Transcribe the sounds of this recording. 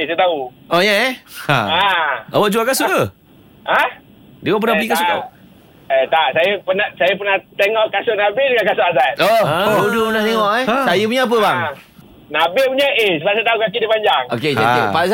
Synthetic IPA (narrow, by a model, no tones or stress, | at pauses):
sajt̪au | ʔɔjaɛaawaʔd͡ʒuakasʊʔə | a | diwaʔp̬ənabikasʊ | et̪aʔsajəpənasajapənaht̪eŋɔʔkasʊʔnabɪhdəŋankasʊʔasatoɾudupənaht̪eŋɔʔɛsajəpuɲaap̬əbaŋ | nabɪpuɲaʔesəbasajət̪aukak̬idipaɲd͡ʒaŋoked͡ʒaipas